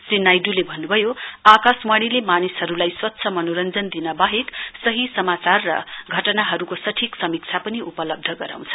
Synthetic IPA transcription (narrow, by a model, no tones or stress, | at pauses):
srinajɖulebʱʌnːubʱʌjoakasmaɽ̃ilemanisɦʌɾulajswʌt̪ːsʰʌmʌnoɾʌnd͡zʌnd̪inʌbaɦeksʌɦisʌmat͡sarːʌ̰ɡʱʌʈnaɦʌɾukosʌʈʰiksʌmik̚t͡sʰapʌniupʌlʌb̚d̪ʱʌɡʌɾa̰w̃nt͡sʰʌ̥